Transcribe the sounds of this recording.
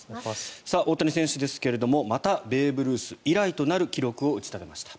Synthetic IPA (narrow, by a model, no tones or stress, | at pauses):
saʔo̞t̪ːoɲisẽ̞ɰ̃ɕɨd̪e̞sɨ̥ke̞ɾe̞d̪o̞mo̞mat̪abe̞ːbɯ̟ɾɯ̟ːsɨiɾait̪o̞naɾɯ̟kʲiɾo̞kɯ̟o̞ɯ̟t͡ɕi̥t̪abe̞maɕi̥t̪ḁ